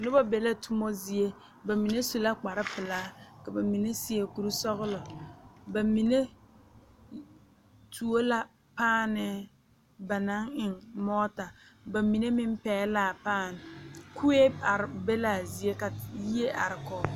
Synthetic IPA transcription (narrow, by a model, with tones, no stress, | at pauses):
nʊ˦ba˦be˨la˦tʰʊ˦mɔ˦zi˨e˦ | ba˨mi˨ne˦su˨la˦k͡pa˨ɾɪ˦pɪ˨laː˦ka˨ba˨mi˨ne˦sɪ˦e˦ku˨ɾu˦sɔ˦ɣʊ˦lɔ˨ba˨mi˨ne˦ | tʰu˨o˦la˦ | paː˦nɪ˦ | ba˨na˦ŋɪ˨ŋmɔː˦ta˨ba˨mi˨ne˦mɪ˦m˦pɛː˦laː˦˨paː˦˨nɪ˨kʰu˦e˦a˨ɾbe˦la˦˨zi˨e˦ka˨ji˦e˦ʔa̰˨ɾɪ˨kɔ˨